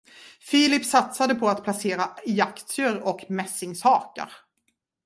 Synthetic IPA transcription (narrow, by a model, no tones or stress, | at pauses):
fiːlɪpsat̪sad̪əpʰɔat̪pʰlaseːɾaɪjakt̪səɾɔkmɛsɪŋshɑːka̰ɾ